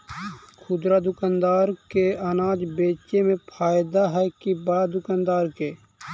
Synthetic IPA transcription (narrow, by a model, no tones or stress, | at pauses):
kʰʊd̪ɾad̪ʊkaːnd̪aːɾkeɐnaːd͡ʒbeːt͡ʃemẽpʰaːjɪd̪aɦɛkibaːd̪ʊkaːnd̪aːɾkeː